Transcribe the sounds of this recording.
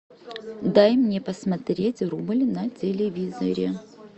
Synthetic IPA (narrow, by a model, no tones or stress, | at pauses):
d̪ajmnʲepəsmɐt̪ɾʲetʲrublʲnɐtʲɪlʲɪvʲizə̰ɾʲɪ